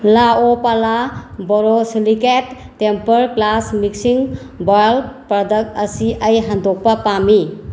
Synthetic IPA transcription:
laopalabɔɾosiliketː | empəɾklasmiksiŋ | bɔjəlpɾɔdɐk̚tɐsiʔəjɦandʱɔk̚pɐpami

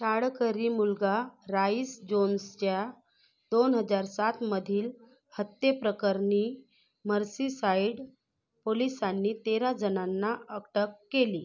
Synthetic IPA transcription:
ɕaɽkəɾiːmulɡaɾaisd͡ʑonst͡ɕja | d̪onɦəd͡zaɾsat̪məd̪ʱiːl | hət̪jepɾəkəɾni | məɾsisaiɽ | polisanːiːt̪eɾad͡zənanːaəkʈəkːeliː

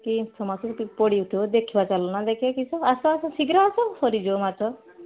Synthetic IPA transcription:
kitʰɔmasɔpipoɽiut̪ʰod̪ekʰibat͡ʃalɔnad̪ekʰekit͡ʃʰɔasɔːsɔsiɡɾaːsɔsɔɾid͡ʒomat͡ʃɔ

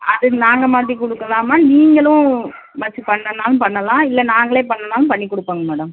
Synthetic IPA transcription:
ɐðɯnaːŋɡɐmaːt̪ɾikʊɽɯkːɐlaːmaːniːŋɡɐɭʊ̃ | mɐt͡ʃːɯpɐɳːɐnaːlʊ̃pɐɳːɐlãːɪlːɛnaːŋɡɐɭeːpɐɳːɐnaːlʊ̃mpɐɳːikːʊɽɯpːaːŋɡɐmɛːɽɐm

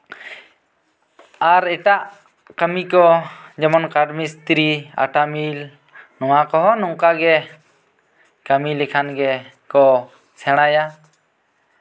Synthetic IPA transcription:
aɾɛʈaʔ | kəmikɔd͡ʒɛmɔnkaɖmist̪ɾia̰ʈamil | nɔwakɔɦɔnɔŋkaɡɛ | kəmilikʰanɡɛ | kɔ | sɛɽ̃aja

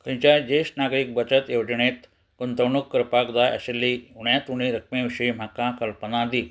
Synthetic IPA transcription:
kə̃jt͡ɕad͡ʑeɕʈnaɡɾiːk̚bət͡ɕət̪jewd͡ʑɳ̃et̪ | kunt̪əwɳukːəɾpakd̪ajə̰ɕelːiuɳjat̪uɽ̃iɾək̚ʰmẽʋiɕim̤akakəlpənãd̪i

